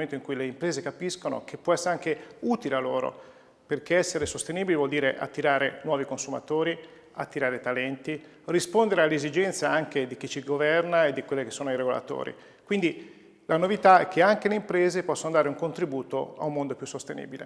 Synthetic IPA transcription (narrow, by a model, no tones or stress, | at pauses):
moment̪oiŋkujleimpɾeːzekapiskono̰k̟ʰepːwɔɛsːeɾeaŋkeut̪ilealːoːɾo̰ | perkeɛsːeɾesost̪eniːbilivwɔld̪iːɾeʔa̰t̪ːiɾaːɾenwɔːvikonsuma̰t̪oːɾi | at̪ːiɾaːɾet̪alɛnt̪i | rispond̪eɾealːezid͡ʒɛnt̪saaŋked̪ik̟it͡ʃiɡovɛrnaed̪ːikwelːekesːoːnoiɾeɡola̰t̪o̰ːɾḭ | kwind̪i | lanovit̪aɛk̟ːeaŋk̟eleimpɾeːzepɔsːonod̪aːɾeuŋkont̪ɾibuːt̪oa̰umːond̪opjusːost̪enḭːbilḛ